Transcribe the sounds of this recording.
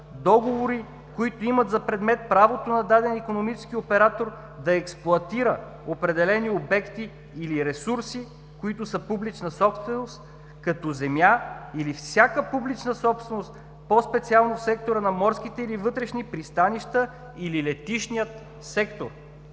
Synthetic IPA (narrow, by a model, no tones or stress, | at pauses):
d̪ɔɡovoɾi | koit̪oimət̪zɐpɾɛd̪mɛt̪̚pɾavot̪onɐd̪ad̪ɛnikonomit͡ʃɛ̥skiopɛɾat̪oɾ | d̪ɐɛksplˠʊɐt̪iɾə | opɾɛd̪ɛlɛniobɛkt̪iː | liɾɛsuɾsi | koit̪ʊsəpublit͡ʃnəsɔpst̪vɛnost̪ | kɐt̪ɔzɛmjailifsʲjakəpublit͡ʃnəsɔpst̪vɛnost̪ | pɔspɛt̪sialˠnofsɛk̚t̪oɾənɐmɔɾsk̟it̪ɛilivɤt̪ɾɛʃnipɾist̪aniʃt̪ə | ililɛt̪iʃnijət̪ | sɛkt̪oɾ